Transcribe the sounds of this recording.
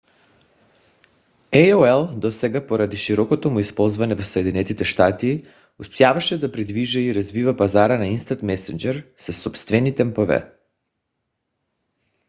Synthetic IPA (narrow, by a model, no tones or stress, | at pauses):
ɛjoɛlˠd̪ɔsɛɡapoɾad̪iʃiɾɔkot̪omuispɔlˠzvanɛvosoɛd̪inɛt̪it̪ɛʃt̪at̪iː | ust̪javaʃɛd̪apɾid̪viʒɛiɾazvivapazaɾanainst̪at̪mɛsɛnd͡ʒɛɾsasɔpst̪vɛnit̪ɛmpɔvɛ̰